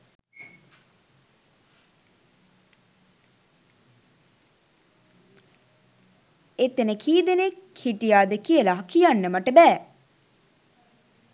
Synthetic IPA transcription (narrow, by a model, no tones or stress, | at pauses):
et̪enəkʰiːd̪enekhiʈijaːd̪əkijəlaɦɐkijanːəməʈəbɛː